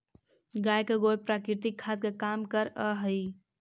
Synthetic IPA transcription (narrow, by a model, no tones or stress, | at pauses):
ɡajkeɡojpɾakiɾt̪ikʰːad̪kekamkəɾəɦəj